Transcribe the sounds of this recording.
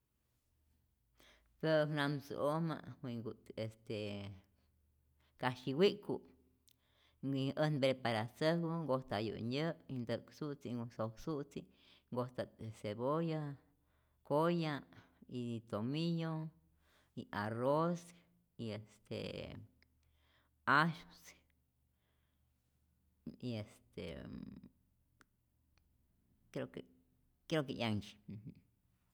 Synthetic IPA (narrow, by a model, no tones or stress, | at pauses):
peɾonamsṵoma̰wiŋɡuest̪e | kaʃiwiʔkṵʔ | iʔənbɾepaɾasəhwəŋɡoht̪ajṵʔɲəʔind̪əksuʔt͡siusoksuʔt͡si | ŋɡoht̪aeseboja | koja | it̪omijo | iaros | iest̪ḛ | aʃos | iest̪ḛ | kɾoke | kɾekeʔjaŋt͡ʃi̥